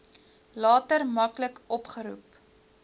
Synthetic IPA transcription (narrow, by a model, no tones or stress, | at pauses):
lɑːtərmɐkləkɔpχəɾup